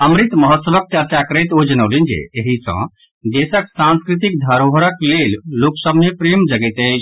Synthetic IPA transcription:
əmɾit̪məɦət̪səʋək̚t͡ʃəɾt͡ʃakəɾəjt̪od͡ʒənəːlind͡ʒḛeɦisə̰̃ | d̪eːsəksãnskɾit̪̬ik̚d̪ʱəɾoʋəɾəklelːoːksəbʱnepɾeːmd͡ʒəɡɛt̪ət͡ʃʰ

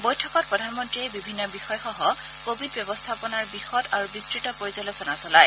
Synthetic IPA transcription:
bɔjtʰɔkɔt̚pɹɔdʱanmɔntɹiejbibʱinːɔbixɔjxɔɦɔ | kobʱidbjɔbɔst̪ʰapɔnaɹbixɔdaɹubistɹitɔpoɹizɔlɔsɔnasɔlaj

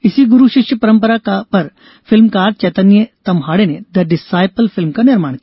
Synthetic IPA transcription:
isiːɡuɾuɕiʂjəpɐɾəmpəɾakapəɾ | filmkaɾɖ̪̚t͡ɕɛt̪ənjet̪ɐmɦaɽened̪əɖɪsajpəlfilmkaniɾmaɳk

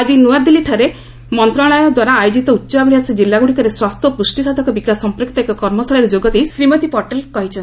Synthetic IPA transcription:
ad͡ʒinuaɾd̪iliʈʰaɾe | mɔnt̪ɾaɭɔjɔd̪waɾaːjod͡ʒit̪ɔutːt͡ʃabɽiasid͡ʒilːaɡuɽikɔɾeswast̪ʰɔpɾusʈisad̪ʱɔkɔbikasɔmpɾɔkʰit̪ɔekɔkɔɾmɔsaɭɔɾed͡ʒoɡɔt̪isɾimɔt̪ipɔɾʈelkɔɦit͡ʃʰɔn

